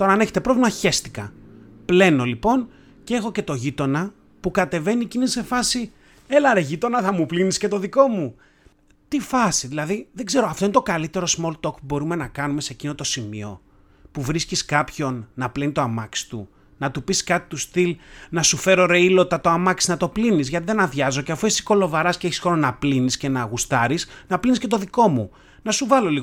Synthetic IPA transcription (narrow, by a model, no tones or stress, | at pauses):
t̪o̞ɾɐːne̞çet̪e̞pɾo̞vlimɐçe̞st̪i̥kɐ̰ple̞no̞lipo̞n | cee̞xo̞ce̞t̪o̞ʝit̪o̞nɐ | pukɐt̪e̞ve̞nicinise̞fɐsi | e̞lɐɾeʝit̪o̞nɐθɐmuplinisce̞t̪o̞ðiko̞mu | t̪ifɐsiðilɐðiðe̞ɡze̞ɾo̞ɐft̪o̞inet̪okɐlit̪e̞ɾo̞smo̞lt̪o̞kpubo̞ɾume̞nɐkɐnume̞secino̞t̪o̞simḭo̞̰ | puvɾisciskɐpço̞nːɐplenit̪oamɐksi̥t̪ṵ | nɐt̪upiskɐt̪i̥t̪ust̪ilnɐsufe̞ɾo̞ɾeilot̪ɐt̪o̞amɐksi̥nɐt̪o̞plinizʝɐt̪iðe̞nɐðʝɐzo̞ceɐfuisi̥ko̞lo̞vɐɾɐsceeçisxoɾonɐplinisce̞nɐːɣust̪ɐɾisnɐplinisce̞t̪o̞ðiko̞mu | nɐsuvɐlo̞liɣ